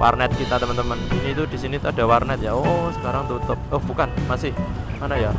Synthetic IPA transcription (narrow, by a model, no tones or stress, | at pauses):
wʔa̰rnɛt̪̚kit̪at̪əmənt̪əməninit̪ud̪̥i̤sinit̪uaɖ̥a̤warnɛt̪̚jaosə̥kaɾaŋt̪ut̪ʊp̚ohbukanmasɪhmanaja